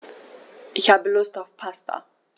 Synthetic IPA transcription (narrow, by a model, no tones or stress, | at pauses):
ʔɪçhaːbəlʊstaʊfpʰastʰa̰